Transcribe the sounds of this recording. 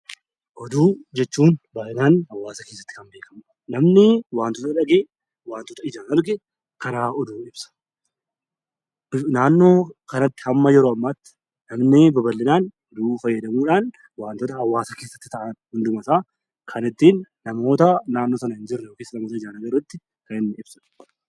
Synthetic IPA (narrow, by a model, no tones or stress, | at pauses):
ʔɔd̪uːd͡ʒɛt͡ʃːuːnbaːʔɪnaːnhɐwːaːsɐke̞ːsːɐ̥t̪ːɪ̥kɐmbeːkɐm | nɐmnɪwaːnt̪ɔt̪ɐᶑɐɡe | waːnt̪ɔt̪ɐɪd͡ʒaːnɐɾɡe | kɐɾaːʔɔd̪uːɪbsɐ̥ | ɪnaːnːo̞ːkɐnɐt̪ːɪ̥hɐmːɐjɛɾoːɐmːaːt̪ːɪ̥ | nɐmnɪbɐbɐlːɪnaːn | d̪uːfɐjːɐd̪ɐmuːᶑaːn | waːnt̪ɔt̪ɐɐwːaːsɐkeːsːɐ̥t̪ːɪ̥t̪ɐʔɐnhʊnd̪ʊmɐsaː | kʰɐnɪt̪ːiːnːɐmo̞ːt̪ɐnaːnːoːsɐnɐɪnd͡ʒɪrːɐjoːkeːsːɐnɐmoːt̪ɐɪd͡ʒaːnɐɡɐɾʊt̪ːɪ | kɐnɪnːɪɪb̥sɐ̥